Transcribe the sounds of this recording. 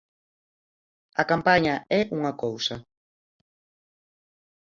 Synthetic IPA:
ɐkampaɲɐɛʔuŋakowsɐ

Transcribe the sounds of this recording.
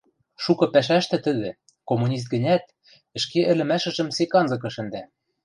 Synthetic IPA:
ʃukɤ̆pæʃ̬æʃt̪ɘ̆t̪ɘ̆d̪ɘ̆ | komːunʲis̬t̪̚ɡɘ̆nʲæt̪̚ | ɘ̆ʃkeʔɘ̆lɘ̆mæʃɘ̆ʒɘ̆msekɑnzɤ̆k̬ɤ̆ʃɘ̆nd̪æ

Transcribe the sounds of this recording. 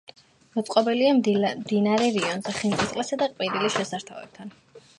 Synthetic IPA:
mɔt̪sʼqʼɔbɛliamd̪inaɾɛɾiɔnzɛχint̪ʼit̪sʼlɛsad̪aqʼwiɾilisʃɛsaɾt̪ʰavɛ̰b̚t̪ʰan

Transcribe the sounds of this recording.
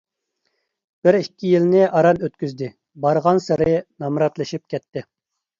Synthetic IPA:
b̥ɪɾikʲʰːijilnɪʔɑɾɑnøt̪kʲyzd̪ɪ | bɑɾʁɑnsɪɾɪnɑmɾɑt̪lˠɨʃip̚kʲʰɛt̪ʰːɪ

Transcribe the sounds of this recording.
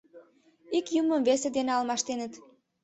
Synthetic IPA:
ikjuməmvesed̪eneɑlmɑʃt̪enət̪

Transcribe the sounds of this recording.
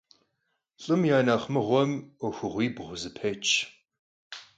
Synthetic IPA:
ɬʼɨmjaːnaχmɨʁʷɔmɔxʷʊʁʷiːbʁʷʊzɨpʰeːt͡ʃʰʼ

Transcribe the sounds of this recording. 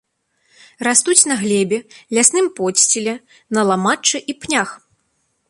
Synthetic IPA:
rast̪ut͡sʲnɐɣlʲɛbʲɛlʲasnɨmpɔsʲt͡sʲilʲɛ | nɐlˠamat͡ʂɨʔipnʲax

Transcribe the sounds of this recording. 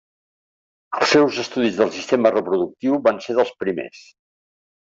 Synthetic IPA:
əlˠsɛwzəst̪uðizðəlˠsist̪emərəpɾuðuk̚t̪iwβanseðəlˠspɾimḛs

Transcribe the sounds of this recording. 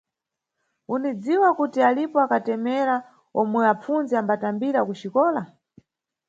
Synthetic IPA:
unid͡ziwakutialipɔakatɛmɛɾa | ɔmwɛap͡funzɛambatambiɾakut͡ʃikɔːla

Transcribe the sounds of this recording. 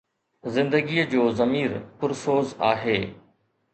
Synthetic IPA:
zɪ̃nd̪əɡiːəd͡ʑoːzɐmiːɾpʊɾsoːzaːɦeː

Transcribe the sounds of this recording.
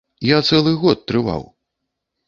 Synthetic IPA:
jat̪sɛlˠɨɣɔt̪̚ːɾɨva̰w

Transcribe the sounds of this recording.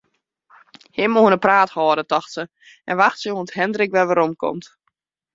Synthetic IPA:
hɪmoənəpraːthɔːdətɔxtsə | ʔɛ̰nʋaxtsəoənthɛndɾɪkʋɛʋaɾomkʰɔ̰mt

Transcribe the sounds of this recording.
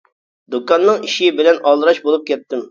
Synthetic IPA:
d̪ukɑnːɨŋiʃɪbɪlɛnɑlˠɾɑʃbolˠup̚kʲʰɛt̪ːɪm

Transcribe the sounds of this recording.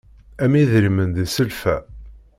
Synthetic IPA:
æmiðɾimənd̪isəlfæ

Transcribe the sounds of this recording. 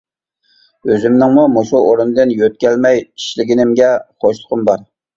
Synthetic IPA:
øzɪmnɪŋmumoʃuʔoɾɨnd̪ɨnjøt̪̚kʲɛlmɛjʰi̥ʃlɪɡʲinɪmɡʲɛχʰoʃlˠʊqʰʊmbɑɾ

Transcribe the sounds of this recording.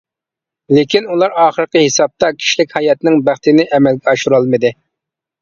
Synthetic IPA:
lekʲinulˠɑɾɑːχəɾəqəhesɑb̚t̪ɑkʲʰi̥ʃlɪkʲhɑjɑt̪nɪŋbæχt̪ɪnɪʔɛmɛlɡʲɛɑʃuɾɑlˠmɨd̪ɨ

